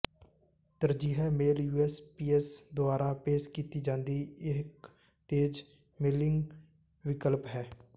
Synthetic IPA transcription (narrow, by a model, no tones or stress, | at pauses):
t̪əɾd͡ʒiːɦɛːmeːljuːɛːspiːɛsd̪ʊaːɾaːpeːʃkiːt̪iːd͡ʒãːnd̪iːek | t̪eːd͡ʒ | mɪlɪŋɡ | ʋɪkəlpɦɛː